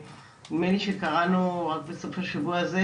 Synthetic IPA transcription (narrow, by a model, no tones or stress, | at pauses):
nimeniʃekaʁanuʁak̚beso̞faʃavuaze